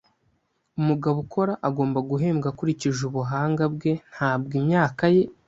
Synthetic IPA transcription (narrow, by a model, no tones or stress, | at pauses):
umuɡaβukʰo̞ɾaʔaɡo̞ːmbaɡuɦe̞ːmɡakuɾiciʒuβuɦaːŋɡabɡe̞n̥haːb̚ɡimɲaːkaje̞